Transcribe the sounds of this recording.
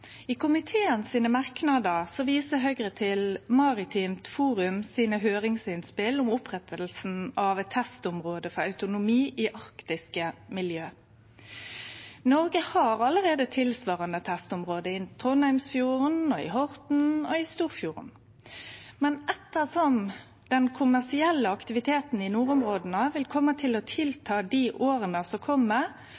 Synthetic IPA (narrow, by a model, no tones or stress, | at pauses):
iːkʰʊmɪt̪ʰeːənsiːnəmɑʁknɑd̪əʁsɔʋiːsəɦœɡʁət̪ʰɪlmɑʁɪt̪ʰiːmt̪fuːʁʉmsiːnəɦøːʁɪŋsɪnspɪlʊmʊpʁɛt̪ʰəlsn̩ɑʋt̪ʰːɛst̪ʊmʁoːd̪əfɔʁɑʉt̪ʊnʊmiːʔiːʔɑʁkt̪ɪskəmɪljøː | nɔʁɡəhɑʁɑləɾeːd̪ət̪ʰɪlsʋɑːʁɑnət̪ʰɛst̪ʊmʁoːd̪əɪt̪ʰʁɔnhæɪmsfjuːʁənɔɪ̰ɦɔʁt̪n̩ɔɪst̪uːʁfjuːʁə̰n | mɛnʔɛt̪ːəʁsɔm | d̪̥ɛnkʰʊmæʁsɪɛlːəɑkt̪ɪʋɪt̪ʰeːt̪n̩ɪnuːʁʊmʁoːd̪n̩əʋɪlkʰɔmːət̪ʰɪlɔt̪ʰɪlt̪ʰɑːd̪iʔoːʁənəsɔkʰɔmːə